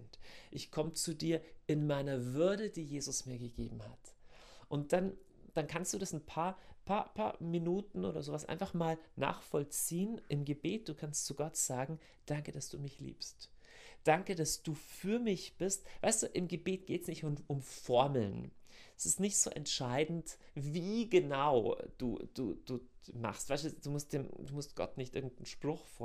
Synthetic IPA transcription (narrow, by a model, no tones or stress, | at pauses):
ntʔɪçkʰɔmət͡sudiːɐʔɪnmaɪnɐvʏɐdədiːjeːzʊsmiːɐɡəɡḛːbm̩ha̰t | ʔʊnt̚d̥an | d̥ankʰanstd̥uːdasn̩pʰaːɐpʰaːɐpʰa̰ːɐminuːtn̩ʔo̰ːɾɐ̰zoːvasʔa̰ɪnfaχmaːlna̰ːχfɔlt͡siːənʔɪmɡəbeːt̚d̥uːkʰanstt͡suɡɔtz̥aːɡŋ̩ | d̥aŋkəd̥asd̥ṵːmɪçlḭːpst | d̥aŋkədasd̥uːfyːɐmɪçb̥ɪstv̥aɪstd̥uːʔɪmɡəbeːtɡ̥eːtsnɪçtʊmʔʊmfɔɐml̩nɛsɪstnɪçtz̥o̰ːʔɛ̰ntʃaɪdn̩t | viːɡənaʊd̥ṵːd̥ṵːd̥uːma̰χstv̥aɪstud̥uːmʊstd̥eːmduːmʊstɡ̥ɔ̰tnɪçtʔɪɐɡŋ̩tn̩ʃpʁ̥ʊxfo